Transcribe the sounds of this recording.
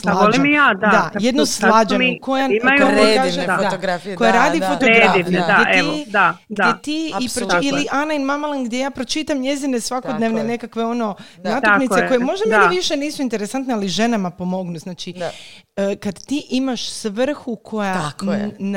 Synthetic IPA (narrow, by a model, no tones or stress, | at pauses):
slaolimijaːd̪dad̪ajed̪noslˠad͡ʒameko̞jaimajomoekaʒeat̪oɡɾaikojaɾaːd̪ifot̪oɡeafiʋned̪ajeʔeiod̪adɡ̪ajet̪iipɾoiliʔanainmamalˠanɡd̪je̞jaːpɾo̞t͡ʃit̪amɲe̞zinesʋako̞d̪neʋnene̞kakʋe̞o̞no̞ | naːt̪aknit̪eko̞jemo̞ʒd̪amiʋiʃe̞niːsuint̪e̞ɾesant̪nealiʒe̞namapo̞mo̞ɡnuznaːt͡ʃi | əkad̪t̪iʔimaʃsʋr̩xukʰo̞jan